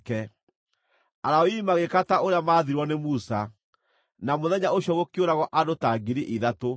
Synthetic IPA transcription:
kɛ | aɾaoimaɣekataoɾeamaːðiɾwɔnemusa | namoðɛɲaoɕjɔɣokjoɾaɣɔʔadotaɡiɾiʔiðato

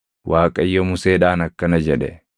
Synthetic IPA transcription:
wʔaːkʼɐjːɔmʊseːᶑaːnɐkːɐnɐd͡ʒɛᶑɛ

